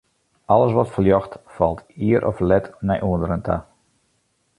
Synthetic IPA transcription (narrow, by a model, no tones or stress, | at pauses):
ɑləsʋɔtfəljɔxtfɑlˠtʰiəɾʔɔ̰flɛtnɛjʔuəndəɾəntʰa̰